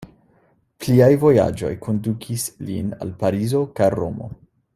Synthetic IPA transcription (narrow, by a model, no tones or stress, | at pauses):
pliajvo̞ja̰d͡ʒo̞̰jkʰo̞ndukʰislḭna̰lpaɾizokajɾomo̞̰